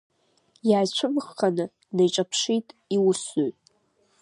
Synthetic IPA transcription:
jaːjt͡ɕʷʰʊmχanɨ | nejʈ͡ʂʼapʰʂitʼiwʊsoɥtʼ

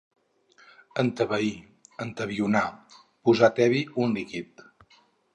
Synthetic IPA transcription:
ənt̪əβəi | ənt̪əβiuna | puzat̪ɛβiunlikit̪̚

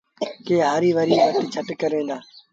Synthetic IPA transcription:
keːɦaːɾiːʋəɾiːʋət̪t͡ʃʰəʈkəɾẽːnd̪aː

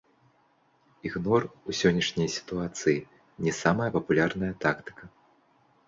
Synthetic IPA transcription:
iɣnɔrusʲɔnʲːɐʂnʲɐjsʲi̥t̪uat̪sɨji | nʲɛsamɐjɐpɐpulʲarnɐjɐt̪akt̪ɨ̥kɐ

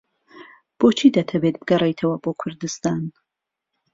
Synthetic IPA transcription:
b̥oːt͡ʃʰiːd̪ɐt̪ʰɐbeːt̪̚bɨɡɐrɛjt̪ʰɐwɐboːkʰʊɾd̪ɨst̪aːn

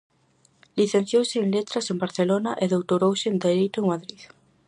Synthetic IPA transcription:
liθẽn̟θjowseːnlet̪ɾasembaɾθelonaʔeðowt̪oɾowseend̪eɾejt̪oeŋmaðɾið

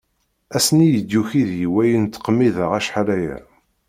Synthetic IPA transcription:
æsnijəd̪ːuçiðjiwæjənt̪ːqmːiðaʁæʃħalæjæ̰

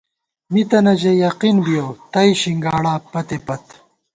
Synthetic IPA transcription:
mit̪ɐnɐd͡ʑɐjɐqinbijot̪ɐjɕiŋɡaːɽaːpɐt̪epɐt̪

